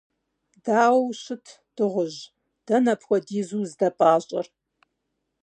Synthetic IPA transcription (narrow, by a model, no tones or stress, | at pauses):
daːwwɕɪtʰ | d̥ɨʁʷʊʑ | d̥ɐnɐpʰxʷɔdiːzuːzdɐpʼaːɕʼɐr